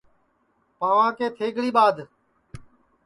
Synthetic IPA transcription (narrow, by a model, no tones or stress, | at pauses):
pãːʋãːkeːt̪ʰeːɡʱɽiːɓaːd̪